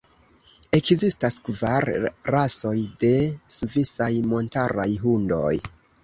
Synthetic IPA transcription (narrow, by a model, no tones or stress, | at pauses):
e̞kzistaskvaɾːaso̞jde̞suvisajmo̞ntaɾajɦundo̞̰j